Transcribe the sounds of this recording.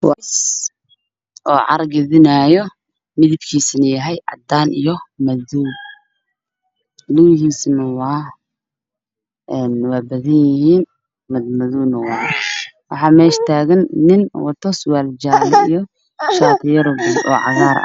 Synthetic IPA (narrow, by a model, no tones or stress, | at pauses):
was | ʔɔːʕɑ̰ɾɡɐðɪnaːjɔ | mɪðɪbkʰiːsnɐjɐɦɛjʕɑ̰d̪aːnijɔmɐðu | luwhiːsnɐwɑ | ʔɛːnwɑːbɐðɐnjɪhiːn | mɐmɐðuwnɐwɑ | wɑħɑːmɛːʃt̪ʰaːɣɐnːɪnwɑt̪ʰɔswaːld͡ʒalijɔ | ʃaːt̪ʰɪjɐɾɔɡɔ̰ːʕɑ̰ɣaːɾɐ̰